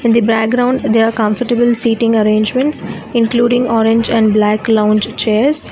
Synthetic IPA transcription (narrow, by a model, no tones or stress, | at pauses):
ɪ̃nd̪ibɾæk̚ɡɾãʊ̃ɳɖd̪eɾaːɾkʌ̃mfəʈəbəlsiːʈɪ̃ŋɡəɾẽːnd͡ʒmə̃ɳʈs | ɪ̃nkluːɖɪ̃ŋɔːɾɪ̃ɲd͡ʒɛ̃ɳɖblæːklãʊ̃nd͡ʒt͡ʃeːɾs